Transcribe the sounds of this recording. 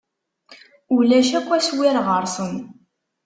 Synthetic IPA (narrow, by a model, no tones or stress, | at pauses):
ulæʃækʷːæswɪɾʁəɾˤsən